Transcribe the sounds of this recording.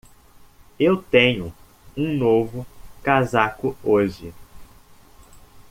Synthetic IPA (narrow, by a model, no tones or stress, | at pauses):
ewt̪ẽɲʊ | ũnovʊkazakʊoʒɪ